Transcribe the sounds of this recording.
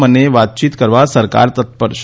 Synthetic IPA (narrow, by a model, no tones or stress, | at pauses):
məneʋat̪̚t͡ɕiːt̪kəɾʋasəɾka̰ɾt̪ət̪̚pəɾʃ